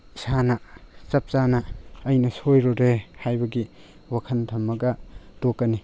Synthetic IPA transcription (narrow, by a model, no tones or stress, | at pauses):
sanɐt͡ʃɐp̚t͡ʃanɐːjnɐsojɾoɾehajbɐɡi | wakʰɐntʰɐmːɐkɐdokːɐni